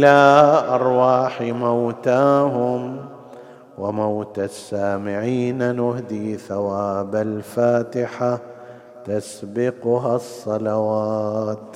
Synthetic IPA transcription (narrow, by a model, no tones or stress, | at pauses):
ʔɪlaʔɑɾˤwaːħimawt̪aːɦʊm | wɪmawt̪asːaːmɪʕiːnanʊhd̪iːθawaːbalfaːt̪ɪħa | t̪asbɪqʊɦasˤːɑlɑwaːt̪